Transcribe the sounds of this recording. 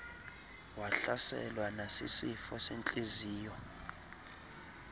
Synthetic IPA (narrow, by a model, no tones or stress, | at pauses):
waɬasɛ̰lwanasḭsifɔsent͡ɬʼiziːjɔ